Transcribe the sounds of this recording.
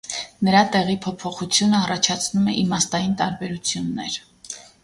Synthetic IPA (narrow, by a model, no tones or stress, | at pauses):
nəɾɑt̪ɛʁipʰɔpʰɔχut͡sʰjunəɑrɑt͡ʃʰɑt͡sʰnumɛʔimɑst̪ɑjint̪ɑɾbɛɾut͡sʰjunːɛɾ